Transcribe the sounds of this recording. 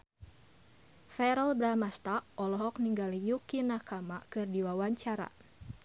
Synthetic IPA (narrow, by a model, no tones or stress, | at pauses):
fɛɾɔlbɾamast̪aʔɔlɔɦɔk̚niŋɡalijukinakamakɨrdiwawaɲt͡ʃaɾa̰